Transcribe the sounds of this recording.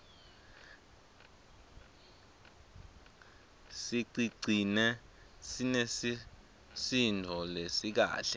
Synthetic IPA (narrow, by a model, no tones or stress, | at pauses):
siǀiǀʱinɛ | sinesi | sindʱɔlesik̬a̰ːɬɛ